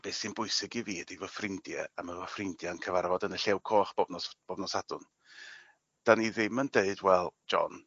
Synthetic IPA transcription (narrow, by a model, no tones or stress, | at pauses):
b̥eːsɨnbʊɨsɪɡiviːdivɔfrɪndjɛ̰aməvɔfrɪndjankʰəvarvɔdənəɬɛwkʰoːχb̥ɔbnɔsb̥ɔbnɔsadʊn | d̥aniðɪməndeɨdwɛlˠd͡ʒɔ̰n